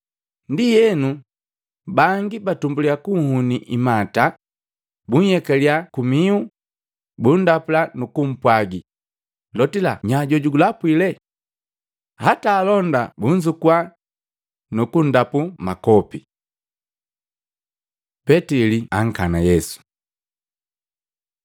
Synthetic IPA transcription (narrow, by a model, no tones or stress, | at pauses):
ndijɛnu | baŋɡibatumbuliakuŋhuniʔimata | buɲ̩hɛkɛliakumiu | bundapulanukum̩pwaɡi | lɔtilaɲaɟɔɟuɡulapwilɛ | hataːlɔndabuɲ̩zukwa | nukun̩dapumakɔpi | pɛtiliaŋ̩kanajɛsu̥